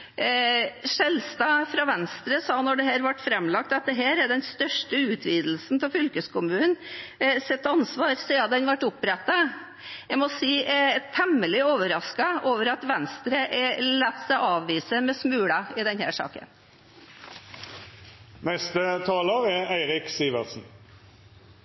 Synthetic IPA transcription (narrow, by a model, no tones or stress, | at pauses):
ʂɛlst̪ɑːfɾɑʋɛnst̪ɾəsɑːnɔɖɛɦæːɾʋɑʈːfɾɛmlɑk̚t̪ɑt̪̚d̪ɛɦæːɾɛɖɛnst̪œʂʈəʉːt̪ʰʋiːd̪l̩snpɔfʏlkəskʊmʉːnnsɛt̪ːɑnsʋɑːɾsiɑd̪ɛnʋæʈːʊpɾɛt̪ːɑ | jæɪmɔsiːæt̪ʰɛmːəlɪoːʋəɾɑskɑoːʋəɾɑt̪ʋɛnst̪ɾəʔɛlɛt̪ːsɛʔɑːʋʋiːsəmɛsmʉːɽɑɪd̪ɛnhæ̰ːʂɑ̰ːkə̰n | nɛst̪ət̪ʰɑːləʁɛæɪʁɪksiːʋəʁsn̩